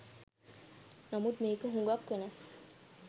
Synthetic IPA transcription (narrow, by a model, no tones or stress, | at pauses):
namut̪̚meːkəɦũŋɡakːwenas